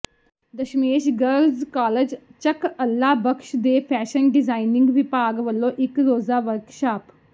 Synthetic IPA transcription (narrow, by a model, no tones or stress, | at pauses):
d̪əʃmeːʃɡəɾlzkaːləd͡ʒt͡ʃəkəlːaːbəkʃd̪eːpʰɛːʃənɖɪzaːinɪ̃ŋɡʋɪpaːɡʋəlːõːʔɪkɾoːzaːʋəɾkʃaːp